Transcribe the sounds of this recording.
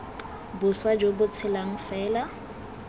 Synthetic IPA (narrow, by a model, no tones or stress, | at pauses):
bʊswad͡ʒobʊt͡sʰɪlaŋ̩fɛːla